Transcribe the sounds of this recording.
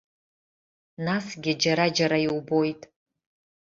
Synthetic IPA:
nasɡʲɪd͡ʒaɾad͡ʒaɾaiwbo̞jtʼ

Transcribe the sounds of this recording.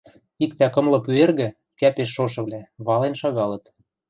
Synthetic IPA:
ikt̪ækɤ̆mlɤ̆pyerɣɘ̆ | kæpeʃ̬ːoʃ̬ɤ̆βlæβɑlenʃɑɣɑlɤ̆t̪

